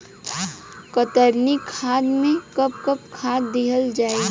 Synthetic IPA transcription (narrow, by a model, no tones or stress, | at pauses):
kət̪əɾnikʰaːd̪mẽkəp̚kəpkʰaːd̪d̪ɪɦəld͡ʒaːeɡ